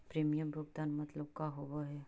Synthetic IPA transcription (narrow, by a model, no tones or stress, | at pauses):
pɾeːmijəmboɡ̚t̪aːnmɐt̪ləb̚kaɦobaɦɛ